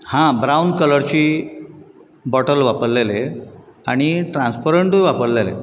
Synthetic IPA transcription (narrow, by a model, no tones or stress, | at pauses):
hãbɾawnkələɾt͡ɕiː | bɔʈəlʋapəɽleleaɽ̃iʈɾãnspəɾeɳʈuʋapəɽlelḛ